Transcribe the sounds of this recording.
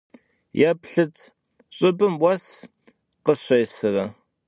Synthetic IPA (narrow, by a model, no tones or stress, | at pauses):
japɬɨt͡sʰ | ɕʼɪbɨmwɐs | qəɕʷɐjsɨrɐ